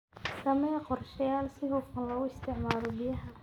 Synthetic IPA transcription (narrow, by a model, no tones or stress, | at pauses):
sɐmɛqɔrʃɐjaːlsɪɦʊfʊnlɐɣʊɪst̪ʰɪʕmaːɾɔbɪjɐɦɐ